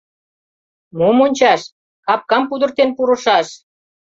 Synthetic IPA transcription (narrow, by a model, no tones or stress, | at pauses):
momonʲt͡ɕɑʃ | kɑp̚kɑmpud̪ə̆rt̪enpuɾə̆ʃɑʃ